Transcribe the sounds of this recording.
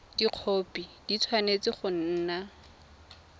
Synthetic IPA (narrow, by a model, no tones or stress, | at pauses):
d̥iq͡χʰoːpʼid̥it͡sʰwanet͡sɪχʊn̩ːna